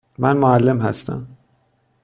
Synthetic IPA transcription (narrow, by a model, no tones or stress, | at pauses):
mænmoælːemɦæst̪ʰæ̰m